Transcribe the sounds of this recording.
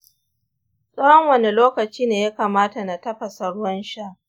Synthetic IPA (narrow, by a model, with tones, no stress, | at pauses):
sʼoː˦hɔ˦ŋwɐ˨ne˨loː˦kɐ˨t͡ʃiː˦neː˨ja˦kaː˨maː˦ta˨na˨tɐ˦ɸa˨sɐ˨ɽʊ˦wɐ˦nʃa˦ʔ